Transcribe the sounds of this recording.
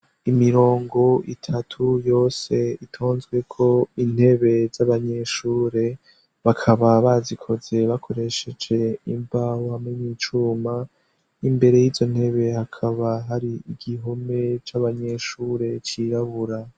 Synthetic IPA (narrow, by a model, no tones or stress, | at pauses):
imiɾo̞ːŋɡo̞ʔḭtʰatʰujo̞ːse̞itʰo̞ːnzɡwe̞kʰo̞in̥he̞βe̞z̥aβaɲe̞ʃuːɾe̞ | βakʰaβaβazikʰo̞ze̞βakʰo̞ɾe̞ʃe̞d͡ʒe̞iɱvahohamŋeniːt͡ʃuːma | imbe̞ɾe̞jiːzo̞n̥he̞βe̞hakʰaβaɦaɾiiɡ̥iɦome̞t͡ʃaβaɲe̞ʃuːɾe̞t͡ʃiɾaβuɾa